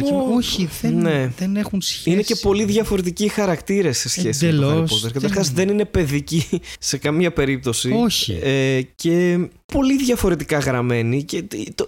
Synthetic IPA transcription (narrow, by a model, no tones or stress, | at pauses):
pooçineenexunsinece̞po̞liðʝɐfo̞ɾe̞t̪icixɐɾɐkt̪iɾese̞sçe̞simeloopot̪eɾkɐt̪ɾɾxɐzðe̞nine̞pe̞ðicise̞kɐmɲɐpe̞ɾip̚t̪o̞sioçḭece̞po̞liðʝɐfo̞ɾe̞t̪ikɐɣɾɐme̞nice